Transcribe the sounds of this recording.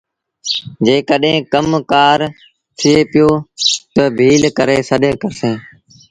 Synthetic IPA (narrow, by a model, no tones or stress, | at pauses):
d͡ʒeːkəɗɦẽːkəmkaːɾ | t̪ʰɪeːpɪjoːt̪əbʱiːlkəɾeːsəɗə̃kəɾsẽː